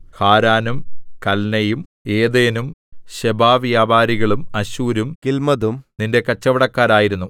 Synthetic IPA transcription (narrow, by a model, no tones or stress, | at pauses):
haːɾaːnumkɐlnɐjum | e̞ːd̪eːnumɕebaːʋjaːbaːɾiɣɐɭumɐɕuːɾumkilmɐðumninde̞kɐt͡ɕːɐʋɐɽɐkːaːɾaːjiɾunːu